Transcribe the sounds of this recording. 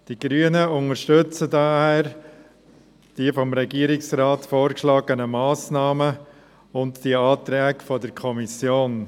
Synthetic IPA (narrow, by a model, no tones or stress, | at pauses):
d̥iɡɾyːənəʊŋəɾʃtɵt͡sədɑhæːɾ | d̥iəfɔmɾɛɡiəɾɪksɾɑːtfoːɾkʃlɑːɡənəmɑːsnɑːmə | ʊntd̥iɑːt̪ɾɛːkfɔdəɾkʰɔmisjoːn